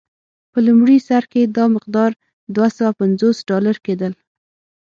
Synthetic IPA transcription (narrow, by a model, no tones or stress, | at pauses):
pəlumɽisaɾked̪ɑmɪq̚d̪ɑɾ | d̪wasawapanzosɖɑlaɾked̪əl